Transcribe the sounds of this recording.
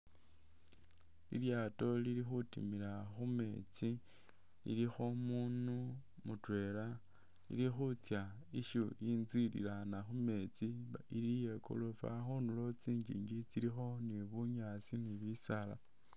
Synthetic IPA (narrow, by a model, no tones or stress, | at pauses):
ḭljaːto̞liɾixutḭmilaxume̞̰t͡si | lḭlixo̞muːnu | mutwe̞la | lḭlixut͡sja | iʃuinzwilḭlanaxume̞t͡siailijeko̰lofa̰xonulo̞t͡siːɲd͡ʒḭːɲɡit͡siɾixo̞niβuɲat͡siniβisala̰